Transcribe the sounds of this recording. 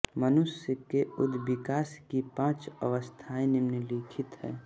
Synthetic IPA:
mənʊsəkeʊd̪bɪkaːskipãːt͡ʃə̰ʋəst̪ʰaːẽnɪmneliːkʰɪt̪ɦɛ̰ː

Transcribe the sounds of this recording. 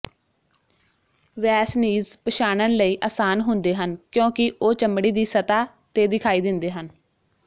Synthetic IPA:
ʋɛːsniːzpəʃaːnənləiːʔaːsaːnɦʊnd̪eːɦənkjõːkɪʔoːt͡ʃəmɽiːd̪iːsət̪aː | t̪eːd̪ɪkʰaːiːd̪ɪnd̪eːɦən

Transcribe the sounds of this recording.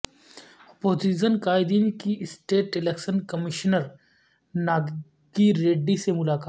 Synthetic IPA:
ɐpoːd͡ʒiʃ̬ənkaːɪd̪inkiɪsʈeːʈɪleksənkɐmɪʃnəɾ | naːɡ | ɡiɾeːɖisemʊlaːkaː

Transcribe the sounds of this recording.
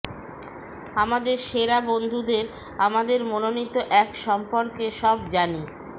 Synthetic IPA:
amad̪eɾʃeɾabond̪ʱud̪eɾ | amad̪eɾmononit̪ːoʔɛkʃɔmpoɾkeʃɔbd͡ʑani

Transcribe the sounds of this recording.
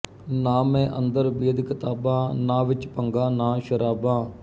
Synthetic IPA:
naːmɛ̃ːʔənd̪əɾbiːd̪kɪt̪aːbãːnãːʋɪt͡ʃpəŋɡãːnaːʃəɾaːbãː

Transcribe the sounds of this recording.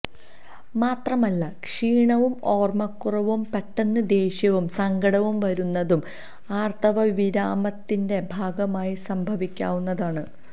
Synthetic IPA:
maːt̪rɐmɐlːɐkʂiːɳɐʋumo̞ːrmɐkːurɐʋumpeʈːɐnːɨd̪e̞ːɕjɐʋumsɐŋɡʱɐɽɐʋumʋɐɾunːɐðum | aːrt̪ʰɐʋɐʋiɾaːmɐt̪ːinde̞bʱaːɡɐmaːjisɐmbʱɐʋikʲːa̰ːʋunːɐðaːɳɨ

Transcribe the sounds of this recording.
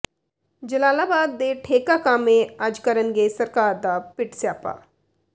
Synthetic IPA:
d͡ʒəlaːlaːbaːd̪ːeʈʰeːkakãːmẽaːd͡ʒkəɾənɡesɐɾkaːɾd̪apɪʈsjaːpa̰ː

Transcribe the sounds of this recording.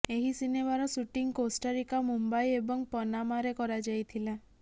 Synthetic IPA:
eɦisinemaɾɔsuʈiŋkosʈaɾikamumbajebɔŋpɔnamaɾekɔɾad͡ʒajt̪ʰila

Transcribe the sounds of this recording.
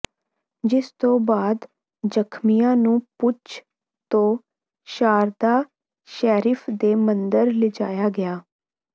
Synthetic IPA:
d͡ʒɪst̪õːbaːd̪ | d͡ʒəkʰmijãːnũːpʊt͡ʃʰ | t̪õː | ʃaːɾd̪aː | ʃɛːɾɪpʰd̪eːmənd̪əɾlɪd͡ʒaːjaːɡɪaː

